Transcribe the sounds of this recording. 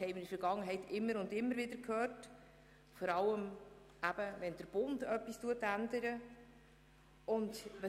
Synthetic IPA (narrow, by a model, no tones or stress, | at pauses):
hɛɪmɪnəfəɾɡɑŋːəɦɛɪtɪmːəɾʊndɪmːəɾvɪdəɾkʰhøːrt | fɔɾɑləm | ʔæb̥əvɛnd̥əɾb̥ʊndœpːistuətændəɾə | ʊndʋə